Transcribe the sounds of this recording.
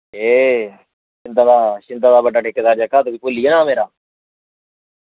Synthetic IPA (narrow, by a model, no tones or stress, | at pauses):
eː | t͡ʃɪnd̪aːd̪aːʃɪnd̪aːd̪aːbəɖaːʈʰeːkːeːd̪aːɾd͡ʒəkaːt̪obiːkoːlieːnaːmeːɾaː